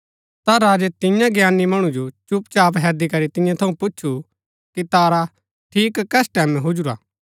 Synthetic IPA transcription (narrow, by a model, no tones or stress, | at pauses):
t̪aɾaːd͡ʒet̪ɪ̃jãɡjaːnːimɐɽ̃ũd͡ʒot͡ʃʊpt͡ʃaːpɦɛːd̪ikɐɾit̪ɪ̃jãt̪ʰɐũpʊːʃʰu | kit̪aːɾa | ʈʰiːkːɛːsʈɛːmɛ̃ɦʊd͡ʒuɾa̰ː